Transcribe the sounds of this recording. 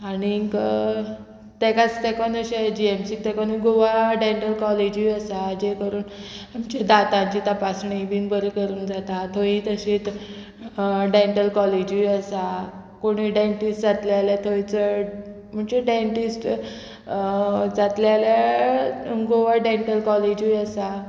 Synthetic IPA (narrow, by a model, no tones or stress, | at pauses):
aniːŋkə | t̪ekat͡st̪ɛkanəɕed͡ʑiemsiːt̪ɛkoniɡoʋaɖeɳʈəlkɔled͡ʑiəsad͡ʑekəɾuːnamt͡ɕed̪at̪ãɲt͡ɕit̪əpasɳibiːnbəɾikəɾuːnd͡zat̪at̪ʰoĩt̪əɕeːt̪ | ɖeɳʈəlkɔled͡ʑʋiəsa | koɽ̃iɖaɳʈisʈd͡zat̪ljalat̪ʰoit͡sə | m̤əɳd͡ʑeɖaɳʈisʈ | d͡zat̪ljala | ɡoʋaɖeɳʈəlkɔled͡ʑʋiəsa